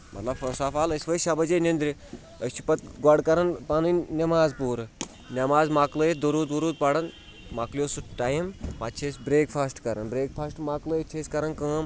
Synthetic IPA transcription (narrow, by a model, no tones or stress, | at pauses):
mɐ̰t̪lɐbfʰɐsaːfaːlɐsʲʋɐʃɐbɐd͡ʒenʲend̪ɾi | əsʲt͡ʃʰi̥pɐt̪ɡɐɽkɐɾɐnpɐnɨnnʲɐmaːzpuːɾ | nʲɐmaːzmaːklɐjet̪d̪ɐɾuːt̪ʋuɾuːt̪̚pɐɽɐn | makljoːsuʈaːjimmɐt͡ʃʰesʲbɾeːkpʰaːsʈkɐɾɐnbɾeːkpʰaːsʈmaːklɨjt͡ʃʰesʲkɐɾɐnkɐ̃ːm